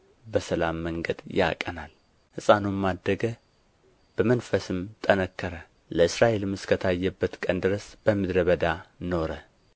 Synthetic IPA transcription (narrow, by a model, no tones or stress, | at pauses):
bəsəlamːəŋɡəd̪ja̰kʼə̰nal | hɨsʼanumad̪ːəɡə | b̥əmənfəsɨmt̪ʼənəkʰːəɾə | ləɨsɾaʔe̞lɨmɨskʰət̪ʰajːɛbːət̪kʼənd̪ɨɾəsb̥əmɨd̪ɾəβəd̪ano̞ɾə